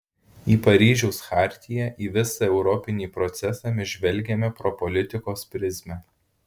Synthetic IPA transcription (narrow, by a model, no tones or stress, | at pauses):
iːpɐɾʲiːʒʲɛʊsxɑˑɾʲt̪ʲɪjɛʔiːʋʲɪsɐɛʊɾɔpʲɪnʲiːpɾɔt̪sʲɛsɑmʲɪʒʲʋʲɛlʲˑɡʲɛmʲɛpɾopɔlʲɪt̪ʲɪkoːspʲɾʲɪzʲmʲɛ